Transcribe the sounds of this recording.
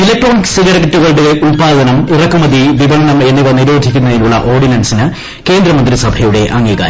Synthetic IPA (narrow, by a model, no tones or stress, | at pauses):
ilɐk̚ʈroːniksiɣɐɾɐkɐʈːuɣɐɭɽueʔuɳpaːd̪ɐnɐmirɐkːumɐd̪iʋibɐnɐɳɐme̞nːiʋɐnːiɾoːd̪ʱikʲːunːɐðinuɭːɐ̰ʔo̞ːrɖinɐnsinɨ | ke̞ːnd̪ɾɐmɐnd̪risɐbʱɐjuɽe̞ʔɐŋːiɣa̰ːɾ